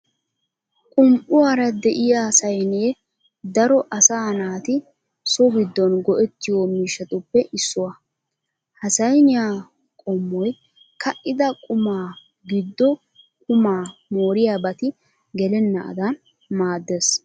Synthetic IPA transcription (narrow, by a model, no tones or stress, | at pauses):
kʼʊmpʼʊwaːɾɐd̪ɛʔɪjasɐjneː | d̪ɐɾɔʔɐsaːnaːt̪ɪ | sɔbɪd̪ːɔnɡɔʔɛt̪ːɪjomiːʃːɐt̪ʊpːɛʔɪsːʊwɐ | hɐsɐjnɪjaː | kʼɔmːɔj | kʰɐʔɪd̪ɐkʼʊmaː | ɡɪd̪ːɔ | kʼʊmaːmoːɾɪjaːbɐt̪ɪ | ɡɛlɛnːɐɐ̰d̪ɐn | maːd̪ːes